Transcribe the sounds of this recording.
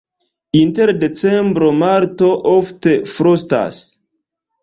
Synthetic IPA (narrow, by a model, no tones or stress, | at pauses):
inteɾdet͡sembɾomaɾtoʔofte̞fɾosta̰s